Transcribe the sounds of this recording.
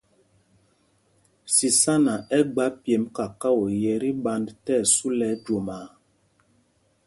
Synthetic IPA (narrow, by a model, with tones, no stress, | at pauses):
si˨sa˦na˨ʔɛ˦ɡ͡ba˦pje˨˦mka˨ka˦wo˨jɛ˨ɾi˦ɓa˦ndtɛ˦˨su˦lɛ˨˦d͡ʒo˨ma˨